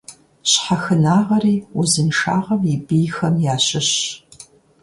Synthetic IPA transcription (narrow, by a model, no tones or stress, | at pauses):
ɕħaxɨnaːʁɐɾiːʊzɨnʂaːʁɐmibijxɐmjaːɕɪɕ